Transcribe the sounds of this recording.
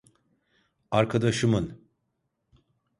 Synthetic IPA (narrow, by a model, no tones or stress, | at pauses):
aɾkʰad̪aʃɯmɯn